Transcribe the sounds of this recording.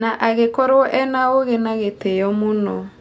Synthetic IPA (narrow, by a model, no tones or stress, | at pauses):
naʔaɣekɔɾwɔʔɛnaoɣenaɣetejɔmonɔ